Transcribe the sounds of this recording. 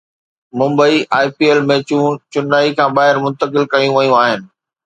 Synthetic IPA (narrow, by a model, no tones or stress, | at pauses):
mʊ̃mbəiʔaːipiːeːlmẽːt͡ɕũt͡ɕʊnaːikʰãːbaːɦɪɾmʊ̃nt̪əkɪlkɐjũʋɐjũaːɦɪnɪ̆